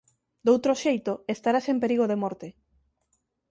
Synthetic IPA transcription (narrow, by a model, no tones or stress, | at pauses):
d̪owt̪ɾoʃejt̪oest̪aɾasempeɾiɣoðemɔɾt̪e